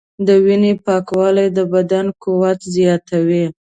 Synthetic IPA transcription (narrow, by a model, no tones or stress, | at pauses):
d̪əwinepɑkwɑlajd̪əbad̪ankuwat̪zjɑt̪awi